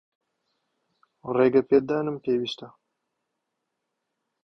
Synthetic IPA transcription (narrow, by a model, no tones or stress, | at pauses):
reːɡɐpeːd̪aːnɨmpeːwiːst̪ɐ